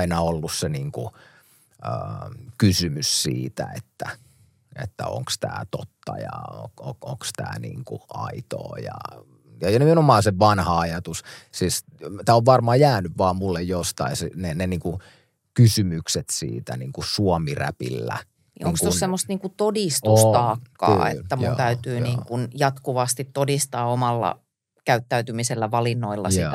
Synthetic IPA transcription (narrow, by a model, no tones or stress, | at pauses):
inɑolːusseniːŋkṵ | əːkysymyssḭːt̪æ̰et̪ːæ | ḛt̪ːæ̰o̰ŋkst̪æ̰ːt̪o̰t̪ːɑ̰jɑ̰o̰ooŋkst̪æ̰ːnḭːŋkuɑ̰it̪o̰ːjɑ̰ | jɑjɑnimenomɑːseʋɑnhɑɑjɑt̪ussiːs | t̪æːoʋʋɑrmɑːjæːnyʋʋɑːmmulːejjost̪ɑisineneniːŋku | kysymykset̪sḭːt̪æ̰niːŋkusuomiræ̰pḭlːæ̰ | nḭoŋkst̪ossemːost̪niːŋkut̪odist̪ust̪ɑːkːɑ̰ːḛt̪ːæmjut̪æyt̪yːniːŋkunjɑt̪kuʋɑst̪it̪todist̪ɑːomɑlːɑ̰ | kæyt̪ːæyt̪ymiselːæʋɑlinːoilːɑ̰si